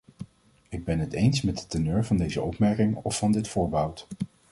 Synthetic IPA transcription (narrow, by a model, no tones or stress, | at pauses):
ɪɡ̚bɛnɦətejnsmɛd̚dətənøːɹvɑndejzə̰ɔpmɛɹkɪŋɔfːɑndɪtfʊːɹbəɦʌwt